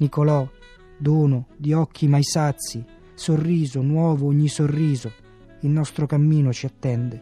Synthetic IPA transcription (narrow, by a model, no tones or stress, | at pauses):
nikolɔ | d̪uːnʊd̪iɔkʰːimajsat̪sːi | sorːiːzʊnwɔːvʊuɲːisorːiːzʊ | ilnɔst̪ɾʊkamːiːnʊt͡ʃiat̪ːɛnd̪ɪ